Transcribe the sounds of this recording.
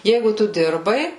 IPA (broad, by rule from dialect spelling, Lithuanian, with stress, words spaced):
ˈjɛɪɡʊ ˈtʊ ˈdʲɪrbɐɪ